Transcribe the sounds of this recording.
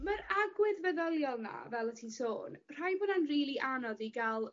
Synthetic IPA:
məɾaɡwɪðvəðəlˠjɔlˠna̰vɛlˠətʰinso̰ːnr̥ajbʊnanriːlˠiʔanɔðiɡalˠ

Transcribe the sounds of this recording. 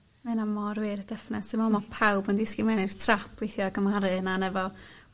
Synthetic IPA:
mɛnamɔrwɪrəd̥ɛfnɛsɨmɔmɔpʰawbəndɪskimɛnir̥tʰrapʰwejθjɔɡəmhaɾɨənanɛvɔ

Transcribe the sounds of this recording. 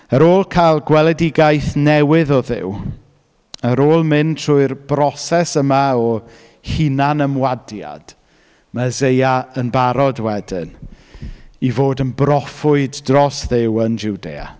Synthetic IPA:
əɾoːlˠkʰajlˠɡwɛlˠɛdɪɡajθnɛwɪðɔðɪ̰w | əɾoːlˠmɪnʰr̥uːɨrb̥rɔsɛsəmaɔ | hinanəmwadja̰d̥ | mazejaənbaɾɔdwɛdɪn | ivoːdənbrɔfʊɨddrɔsðɪwənd͡ʒuwdḛːa̰

